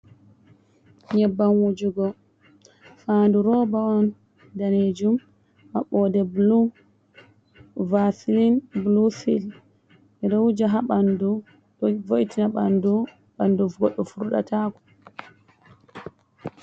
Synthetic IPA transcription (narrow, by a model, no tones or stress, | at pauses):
ɲɛbːanwud͡ʒuɡɔ | faːnduɾɔbaɔn | daned͡ʒum | haɓɔdɛblu | vasilinblusil | ɛɾɔwd͡ʒaɦaɓandu | voʔitinaɓandu | ɓanduɡɔɗːɔfuɾuɗa̰taːkɔ̥